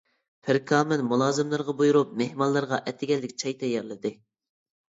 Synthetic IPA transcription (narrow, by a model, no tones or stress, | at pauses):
pʰɪɾkʰɑːmɨnmulˠɑːzɨmlˠɨɾʁɑbujuɾup̚mehmɑlˠːɨɾʁɑʔɛt̪ʰːɪɡʲɛlːɪkʲt͡ʃʰɑjt̪ʰɛjɑɾlˠɨd̪ɨ